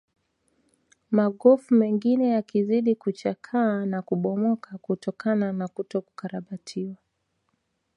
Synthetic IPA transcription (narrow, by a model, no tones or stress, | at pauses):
maɠɔfumɛŋɡinɛjakiziɗikut͡ʃakʰaːnakuɓɔmɔkʰakutɔkananakutɔku̥kaɾaɓatʰiwa